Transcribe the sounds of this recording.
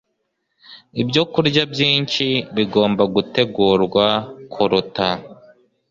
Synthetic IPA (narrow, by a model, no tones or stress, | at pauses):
ibjo̞kuɾɟabjiːɲt͡ʃiβiɡo̞ːmbaɡute̞ɡuːɾɡwakʰuɾuta